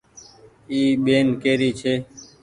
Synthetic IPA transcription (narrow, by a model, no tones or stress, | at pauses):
iːɓeːnkeːɾiːt͡ʃʰeː